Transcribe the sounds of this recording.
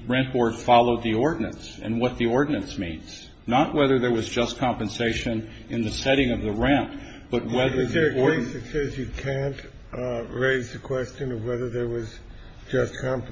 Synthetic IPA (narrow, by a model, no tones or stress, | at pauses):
ɹɛ̃n̚bɔɹd̥fɑlˠoʊd̪̚ðiɔɹdⁿn̩ɨ̰̃nsɨ̰̃nwʌt̪̚ðiɔɹdⁿn̩ɨ̃nsmĩnz̥ | nəʔ̚wɛðə˞ðə˞wʌzd͡ʒʌskʰɑ̃mpɨ̃nseɪʃɨ̃n | ɨ̃nðɨsɛɾɪ̃ŋʌvðɨɹæ̃np | b̥ʌt̚wwɛðə˞ðəɨkɔɹɪsðɨtsɛzjɨkʰæ̃nt | ɹeɪzðɨkʰw̥ɛst͡ʃɨ̃nʌvwɛðə˞ðə˞wʌz | d͡ʒʌskʰɑ̃mp